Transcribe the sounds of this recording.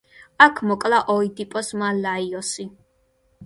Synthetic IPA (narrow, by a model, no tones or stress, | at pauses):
akʰmɔkʼlaʔɔid̪ipʼɔsmalaiɔsi